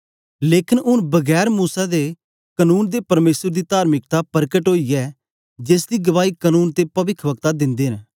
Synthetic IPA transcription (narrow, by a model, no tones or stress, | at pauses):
leːkʰɪnʊnbəɡɛːɾmuːsad̪e | kənuːnd̪eːpəɾmeːsəɾd̪iːt̪aːɾmɪk̚t̪apəɾkəʈɦoːiɛː | d͡ʒeːsd̪iːɡəʋaːiːkənuːnt̪eːpɐʋɪkʰʋəkt̪ad̪ɪ̃nd̪eːɦn